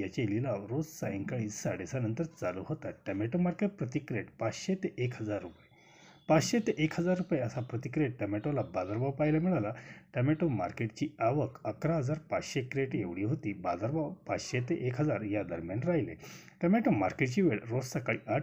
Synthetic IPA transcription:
jat͡ɕelilaʋɾod͡zsaẽŋkaɭiːsaɽesanənt̪əɾt͡saluɦot̪aʈɛmeʈomaɾkeʈ̚pɾət̪ikɾeʈpat͡sɕet̪eʔekhəd͡zaɾːupje | pat͡sɕet̪eʔekʰɦəd͡zaɾːupajeəsapɾət̪ikɾeʈʈɛmeʈolabad̪əɾbawpajlamiɭalaʈɛmeʈoma̰ɾkeʈt͡ɕiːaʋəkəkɾaɦəd͡zaɾpat͡sɕekɾeʈjeʋɭiːɦot̪iːbad̪əɾbawpat͡sɕet̪eʔekɦəd͡zaɾjad̪əɾmjanɾajlḛ | ʈɛmeʈomaɾkeʈt͡ɕiːʋeɭɾod͡zsakaɭḭːʔa

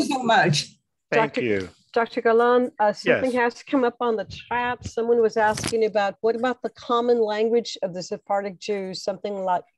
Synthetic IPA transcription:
sumʌt͡ʃ | d̥ɑk̚tə˞ʉ̰ | d̥ɑk̚tə˞ɡəlɑ̃nʌsʌ̃θɪ̃ŋhæz̥tʰə̥kʰʌ̃mʌpn̩ðɨtʰɹ̥æpsʌ̃mwʌ̃nwʌzæskɪ̃ŋɨbaʊt̚wʌɾəbaʊt̪̚ðəkʰɑmə̃nlæ̃ŋɡwɨd͡ʒʌvðɨsɨpʰɑɹɾɨk̚d̥ʒ̥ʉz̥sʌ̃mθɪ̃ŋlaɪk̚

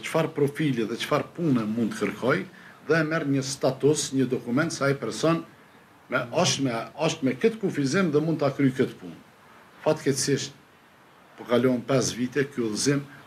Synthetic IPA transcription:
t͡ʃə̥faɾpɾɔfiliðɛt͡ʃə̥faɾpunɛmũnd̪t̪əkəɾkʰɔjðɛːmɛrɲəst̪at̪usɲəd̪ɔkumɛnt̪sɛaipɛɾsɔn | mɛɔʃmɛɔʃt̪mɛkət̪əkufizimðɛmund̪t̪akɾyjkət̪pun | fat̪kɛsiʃt̪̚ | pɔkalɔmpɛsvit̪ɛkyulˠəzim

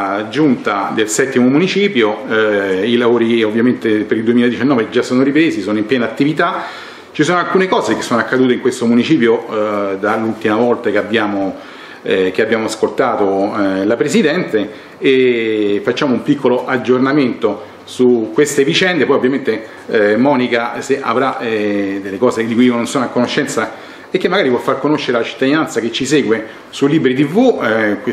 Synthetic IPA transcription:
d͡ʒunt̪ad̪elsɛt̪ːimomunit͡ʃiːpjo | ilavoːɾiovːjament̪epeɾild̪uemiled̪it͡ʃanːɔːved͡ʒasːoːnoɾipɾeːsisoːnoimpjɛːnat̪ːivit̪a | t͡ʃis̬oːnoalkuːnekɔːzekesːoːnoakːad̪uːt̪eiŋkwest̪omunit͡ʃiːpjod̪alult̪imavɔlt̪akeabːjaːmo | k̟eabjaːmoaskolt̪aːt̪olapɾesid̪ɛnt̪eː | fat͡ʃːaːmoumpikʰːoloʔad͡ʒornament̪o | sukːwest̪evit͡ʃɛnd̪epɔːjovːjament̪e | mɔːnikaseʔa̰vɾaɛd̪elːekɔːsed̪ikujiononsoːnoakːonoʃːɛnt̪sa | ekːemːaɡaːɾipwɔfːarkonoʃːeɾelat͡ʃi̥t̪ːad̪inant̪saket͡ʃːiseːɡwe | suliːbɾit̪̬ivːuk

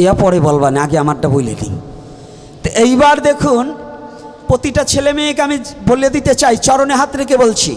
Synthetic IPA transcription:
eapɔɾebolbaniaɡeamaɾʈabolḛnḭ | t̪ejbaɾd̪ekʰun | pɾot̪iʈat͡ɕʰelemeekeamibolied̪it̪et͡ɕajt͡ɕɔɾoneɦat̪ɾekebolt͡ɕʰḭ

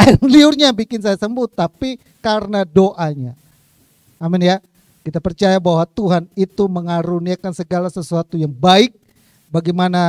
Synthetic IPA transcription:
anliʊrɲabikɪnsajasəmbʊt̪ːapi | kaɾənadoʔaɲaː | mɪnja | kit̪apərt͡ʃajabaɦwat̪uɦanit̪uməŋaɾuniakansəɡalasəsuat̪ujaŋbaɪk̚ | baɡimana

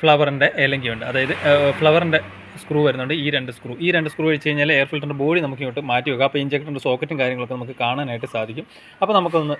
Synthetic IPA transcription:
fɭɐʋɐrinde̞ʔelːeŋɡiuɳɖɨɐðaːjɐðɨfɭɐʋɐrinde̞ | skruːʋɐɾunːuɳɖɨiːɾe̞ɳɖɨskruːʔiːɾe̞ɳɖɨskruːʋɐɻit͡ɕːe̞jiɲːaːleːrfilʈːuɳɖebo̞ːɽinɐmukːɨnoːʈːɨmaːtːijoːɣaɐpːoːiɲd͡ʑekːʈːuɳɖeso̞ːkːɐtːɨmkaːɾjɐŋːɐɭokːenɐmukːɨkaːɳaːnaːjiʈːɨsaːd̪ʱikʲːum | ɐpːoːnɐmuk̬ːɨonːɨ

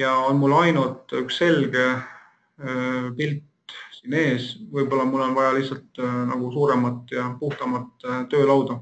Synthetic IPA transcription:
jɑonmulːɑjnult̪ykse̞lɡ̥e̞ | pilt̪ | siːne̞ːsvɤjbo̞lːɑmulːo̞nvɑjɑlihsɑlt̪nɑ̰ɡ̥usuːɾe̞mɑt̪ːˑjɑpuht̪ɑmɑt̪ːˑt̪ːø̞ːlɑwd̪ɑ

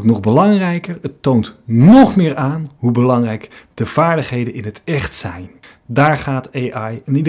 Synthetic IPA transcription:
tnɔχbəlɑŋrɛjkəɹətːowntnɔχmɪːɹaːnɦubəlɑŋrɛjkdəv̥aːɹdəχɦejdənɪnɦətɛχtsɛjn | daːɹχaːtejʔɑjənid

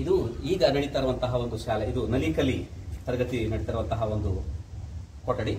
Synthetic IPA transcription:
id̪uiːɡɐnɐɽit̪ːɐɾuʋɐnt̪ɐɦɐo̞nd̪uʃaːleid̪unɐliːkɐlːit̪ɐɾɡɐt̪inɐɽit̪ːɐɾuʋɐnt̪ɐɦɐond̪u | kɔʈːɐɽi

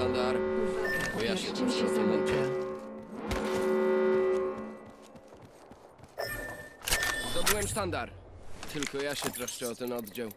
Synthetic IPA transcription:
and̪aɾ | kɔjaɕɛt̪ɕɛsɔmɔntɛ | t̪ɔbɨwɛmst̪and̪aɾt̪ːɘlkɔjaɕɛt̪ɾɔʂkɛɔt̪ɛnɔd̪d͡ʑaw

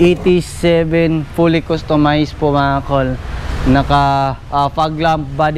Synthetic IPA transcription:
ʔet̪isɛbɛnfulɪkost̪omajspʊmaːkolnɐka | afaɡlamp̚bad̪

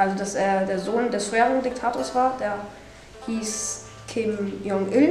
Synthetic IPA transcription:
ʔalzodaseːɐdeːɐzoːndɛsfʁeːʁɪŋdɪk̚tʰaːtʰoːɐsv̥aːɐd̥eːɐ | hiːs | kʰɪmjɔŋʔɪl

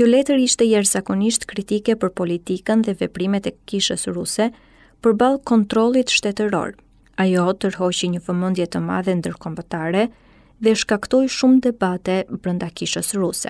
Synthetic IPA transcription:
kjɔlɛt̪əɾiʃt̪ɛjɛɾzakɔniʃt̪kɾit̪ikɛpəɾpɔlit̪ikənðɛvɛpɾimɛt̪ɛkiʃəsɾusɛ | pəɾbalˠkɔnt̪ɾɔlˠit̪ʃt̪ɛt̪əɾɔ̰ɾ | ajɔt̪əɾɦɔt͡ɕiɲəvəmənd̪jɛt̪əma̰ðɛnd̪əɾkɔmbət̪aɾɛ | ðɛʃkakt̪ɔjʃumd̪ɛbat̪ɛbɾənd̪akiʃəsɾusɛ̰

